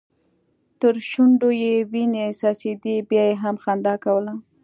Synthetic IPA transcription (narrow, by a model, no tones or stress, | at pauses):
t̪əɾʃuɳɖojewinesɑsed̪ibjɑjeɦamxand̪ɑkawəla